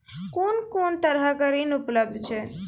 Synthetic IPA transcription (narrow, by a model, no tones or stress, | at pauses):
koːnkoːnt̪əɾɦəkəɾinupləb̚d̪ʱt͡ʃʰɛ